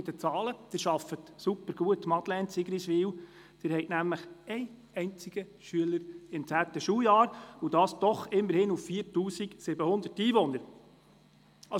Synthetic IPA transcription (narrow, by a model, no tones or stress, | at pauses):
ɪdət͡sɑːləd̥ɪːɾʃɑfətsupːəɾɡ̥uətmɑt̪lɛntsɪɡəɾiʃʋiːw | d̥ɪːɾhɛɪtnæmləχɛɪ | ɛɪnt͡siɡ̥ə | ʃyələɾɪntt͡sæːtəʃuːljɑːɾud̥ɑːsd̥̪ɔχɪmːəɾhɪnuffiːəɾtuːsiɡsɪbəhʊnd̪ətiːʋɔnːəɾ | ɑ